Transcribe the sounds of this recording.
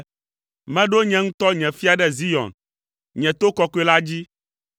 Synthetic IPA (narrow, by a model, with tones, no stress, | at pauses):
mɛ̃˦ɖo˦ɲɛ̃˨ŋũ˦t̪ɔ˦ɲɛ̃˨fi˦a˨ɖɛ˦zi˦jɔ̰̃˨n | ɲɛ̃˨t̪o˦kɔ˦kɔ˦e˦la˦d͡ʑi˦